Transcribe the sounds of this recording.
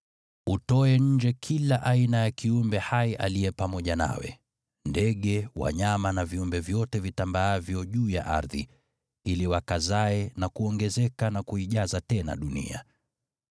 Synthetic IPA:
utɔɛɲ̩d͡ʒɛkʰilaʔainajakiumbɛhaiʔalijɛpamɔʄana̰wɛ̰ | ndɛɠɛwa̰ɲamanaviumbɛvjɔtɛvitambaavjɔʄuːja̰ʔa̰ɾðḭ | iliwakazaɛnakuɔŋɡɛzɛkanakuiʄazatɛna̰ɗunḭa̰

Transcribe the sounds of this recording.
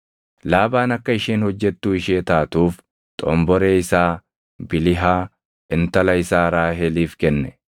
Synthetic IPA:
laːbaːnɐkːɐɪʃeːnhɔd͡ʒːɛt̪ːuːɪʃeːt̪aːt̪uːf | t̪ʼɔ̰mbɔɾe̞ːɪsaː | bɪlɪɦaː | ʔɪnt̪ɐlɐɪsaːɾaːɦeːliːfkɛnːɛ

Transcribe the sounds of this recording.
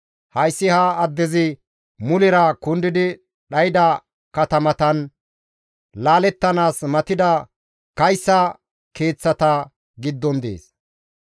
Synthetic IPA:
hɐjsːɪhɐːd̪ːɛzɪ | mʊlɪɾɐkʊnd̪ɪd̪ɪ | ɗɐjɪd̪ɐ | kɐt̪ɐmɐt̪ɐn | laːlɛt̪ːɐnaːsmɐt̪ɪd̪ɐ | kɐjsːɐ | ke̞ːt͡sːɐt̪ɐ | ɡɪd̪ːɔnd̪ḛːs

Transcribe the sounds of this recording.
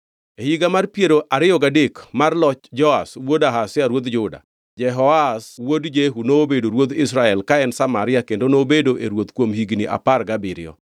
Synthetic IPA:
ehiɡamarpjeɾoʔaɾɪjɔɡadekmarlɔt͡ʃd͡ʒɔaswodaɦasɪaɾwot̪d͡ʒʊda̰ | d͡ʒɛɦɔaswodd͡ʒeɦunoːbedoɾwot̪ɪs̬ɾaɛlkaɛnsamaɾɪakendonobedoʔeɾwot̪kwomhiɡnḭʔa̰parɡabɪɾɪ̰ɔ̰

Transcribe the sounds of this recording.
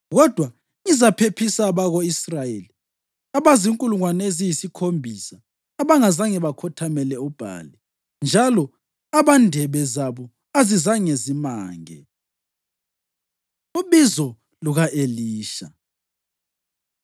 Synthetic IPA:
ɣɔd̥ʱwa | ŋizapʰepʰisaβaɣɔisrajeli | aβaziŋkʼuluŋwanezijisikʰombʱisaː | βaŋazaŋɛβakʰɔtʰamɛlɛub̥ʱa̰ːli | nd͡ʒʱalɔ | aβandʱɛβɛzaβɔ | azizaŋezima̰ːŋɛ̰ | uβizɔ | luɣaʔeliːʃa̰

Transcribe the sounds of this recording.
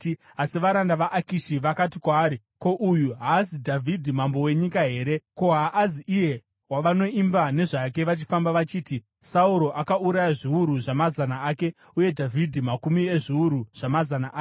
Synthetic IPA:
asiʋaɾandaʋaʔakiʃiʋakatikwaːɾi | ko̞ʔujuɦaːzidʱavʱidʱimambo̞we̞ɲikaɦe̞ːɾe̞ko̞ɦaʔːziʔije̞ | waʋano̞imbane̞ʐak̬e̞ʋat͡ʃi̥fambaʋat͡ʃiːti | sauɾo̞ʔakauɾajaʐiuɾuʐamazanaaːke̞ | uje̞dʱavʱidʱimakumieʐiuɾuʐ̥amazanaʔː

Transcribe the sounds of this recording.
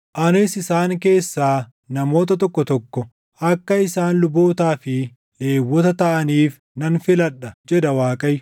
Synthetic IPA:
ʔɐnɪsɪsaːŋke̞ːsːaː | nɐmo̞ːt̪̬ɐt̪̬ɔkːɔt̪ɔkːɔ | ʔɐkːɐɪsaːnlʊboːt̪aːfɪ | ᶑe̞ːwːɔt̪ɐt̪ɐʔɐniːf | nɐnfɪlɐᶑɐd͡ʒɛd̪ɐwaːkʼɐj

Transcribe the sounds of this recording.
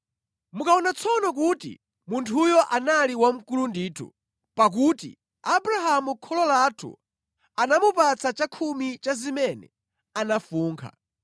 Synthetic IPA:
mukaɔnat͡sʰɔnɔk̬utḭ | muntʰujɔʔanaliwam̩kulundiːtʰṵ | pak̬uːtḭ | abɾaɦamukʰɔlɔlatʰṵ | anamupat͡sʰat͡ʃakʰumit͡ʃazimɛnɛ̰ | anafuːŋkʰa̰

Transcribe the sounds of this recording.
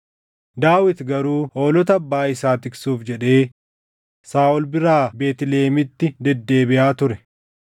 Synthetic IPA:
d̪aːwɪt̪ɡɐɾuːho̞ːlɔt̪̬ɐɐbːaːɪsaːt̪ɪksuːfd͡ʒɛᶑe̞ː | saːʔɔlbɪɾaːbe̞ːt̪ɪleːmɪt̪ːɪd̪ɛd̪ːe̞ːbɪʔaːt̪ʊɾɛ

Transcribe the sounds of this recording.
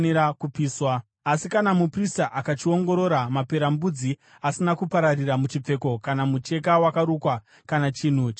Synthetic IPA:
niɾakupiːswa | asikanamupristaʔakat͡ʃio̞ŋɡo̞ɾo̞ɾamape̞ɾambud͡zi | asinakupaɾariramut͡ʃip͡fe̞ko̞kanamut͡ʃe̞kawakaɾukwa | kanat͡ʃiːn̤uːt͡ʃ

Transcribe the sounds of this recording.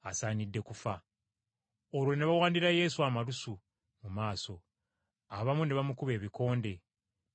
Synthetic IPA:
asaːnidːe̞kufa | olwo̞ne̞βawaːndiɾaje̞ːsuamaɾusu | mumaːso̞ | aβamune̞βamukuβe̞ːβiko̞ːnde̞

